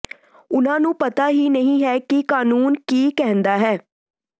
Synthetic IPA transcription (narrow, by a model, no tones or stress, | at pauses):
ʊnãːnũːpət̪aːɦiːnəɦĩːɦɛːkɪkaːnuːnkiːkɛɦə̃nd̪aːɦɛː